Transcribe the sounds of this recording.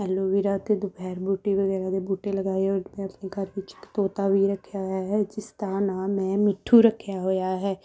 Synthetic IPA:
ɛːloːʋiːɾaːt̪eːd̪ʊpɛːɾbuːʈːiːʋəɡɛːɾaːd̪eːbuːʈeːləɡaːioːmɛ̃ːəpneːkəɾʋɪt͡ʃɪkt̪oːt̪aːʋiːɾəkʰːjaːɦojaːɦɛːd͡ʒɪst̪aːnaːmɛ̃ːmɪʈʰːuːɾəkʰːjaːɦoːjaːɦɛː

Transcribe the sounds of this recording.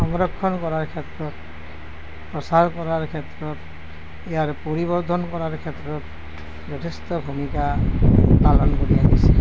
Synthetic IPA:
ɔŋɾɔkʰːɔnkɔɾaɹkʰet̪ɹɔt̪ | pɹɔsaɾkɔɾaɹkʰet̪ɾɔt̪ | ijaɹpoɾibɔɾd̪ʱɔnkɔɾaɹkʰet̪ɹɔt̪ | bɔt̪ʰest̪ɔbʱumika | palɔnkoɹiaɦise̥

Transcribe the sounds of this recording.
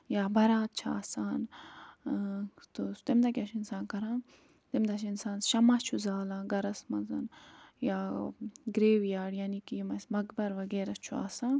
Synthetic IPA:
jaːbʱɐɾaːt̪̚t͡ʃʰa̰ːsaːn | t̪ut̪imd̪ɐkʲɐʃʰinsaːnkɐɾãː | t̪imd̪ɐt͡ʃinsaːnʃɐmɐt͡ʃʰuzaːlãːɡɐɾɐsmɐzɐnjaːɡɾeːʋjaːɽjaːnikijimɐsmɐɡbɐɾʋɐɡeːɾɐt͡ʃʰua̰ːsãː

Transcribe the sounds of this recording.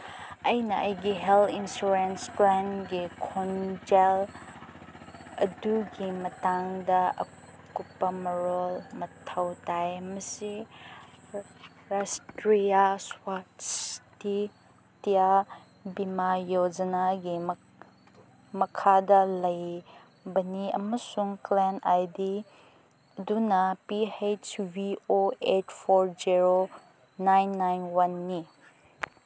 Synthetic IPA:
ɐjnɐʔɐjɡiɦeltinsuɾensplanɡikʰond͡ʒel | ɐduɡimɐtaŋdɐɐ̰ | kupːɐmɐɾolmɐtʰɐwtajmɐsi | ɾastɾijaswatsti | tija | bimajod͡ʒɐnaɡim | mɐkʰadɐlɐj | bɐniɐ̰mɐsuŋklenajdi | dunɐpihet͡ʃbioetpʰoɾd͡ʒiɾo | najnːajnwanːi

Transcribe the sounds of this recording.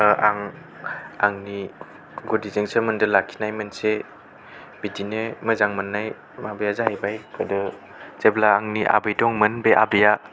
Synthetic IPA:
ʔaŋ | aŋni | ɡodizeŋsɯmɯndɯlakʰːi̥najmɯnse | b̥idineməzaŋmɯnːaj | mabɯjazahajbajkʰɯdɯ | zeblaːŋniʔa̰bɯjdɔŋmɯnbeʔa̰bɯja

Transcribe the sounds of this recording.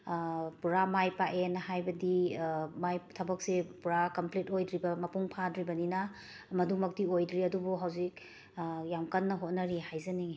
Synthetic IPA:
puɾamajpaʔenɐhajbɐdimajtʰɐbɐk̚sepuɾakɐmpletojdɾibɐmɐpuŋpʰadɾibɐninɐ | mɐdumɐk̚tiojdɾiɐdubuɦawzik̚ | jamkɐnːɐɦot̚nɐɾihajzɐni

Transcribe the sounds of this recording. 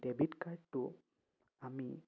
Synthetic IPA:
debʱitkaɹdːʊ | ami

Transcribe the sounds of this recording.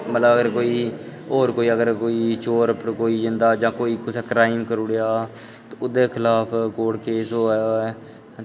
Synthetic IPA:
mət̪ləbəɡəɾkoːiː | oːɾkoːiːəɡəɾkoːiːt͡ʃoːɾpəɾkoːiːd͡ʒɪ̃nd̪aːd͡ʒãːkoːiːkʊseːkɾaːɪmkəɾuɽejaː | t̪oʊd̪eːkʰɪlaːpʰkoːɽkeːsoːaːjaːɛː

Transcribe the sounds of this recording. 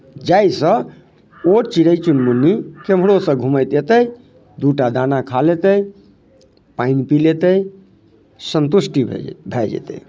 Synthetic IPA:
d͡ʒajsə̃ | ot͡ʃiɾəjt͡ʃunmunːikem̤ɽosə̃ɡʱuməjt̪et̪əj | d̪uʈad̪anakʰalet̪əj | painpilet̪əj | sənt̪usʈḭbʱɛd͡ʒɛ̰t̪ə̰j

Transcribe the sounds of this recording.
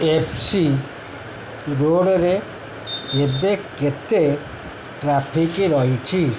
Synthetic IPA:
epʰsi | ɾoɽɔɾe | ebeket̪e | ʈɾapʰikiɾɔɦit͡ʃʰi

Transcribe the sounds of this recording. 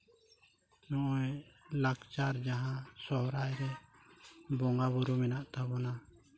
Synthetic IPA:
nɔʔɔjlakt͡ʃaɾd͡ʒaɦãsɔɦɾajɾɛ | bɔŋɡaβuɾumɛnaʔt̪abɔna

